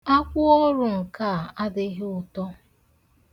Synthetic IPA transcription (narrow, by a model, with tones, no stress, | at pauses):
a˦kʷʊ˦ɔ˦ɾʊ˨ŋ̩˨ka˦˨a˦dɪ˦ɦɪ˦ʊ˨tɔ˦